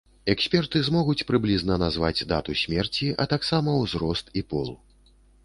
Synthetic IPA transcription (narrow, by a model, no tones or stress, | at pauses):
ɛksʲpʲɛrt̪ɨzmɔɣut͡sʲpɾɨblʲiznɐnazva̰d͡zʲd̪a̰t̪usʲmʲɛrt͡sʲiʔɐ̰t̪aksamɐwzɾɔst̪ipɔlˠ